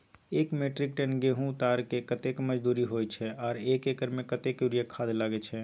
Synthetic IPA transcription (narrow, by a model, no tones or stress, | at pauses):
eːkmeːʈɾɪk̚ʈɛ̃nɡeːɦũt̪aːɾkekət̪ekməd͡ʒd̪uːɾiɦojt͡ʃʰɛɔːɾeːkeːkəɾmẽkət̪ekjuɾijəkʰaːd̪laːɡet͡ʃʰɛ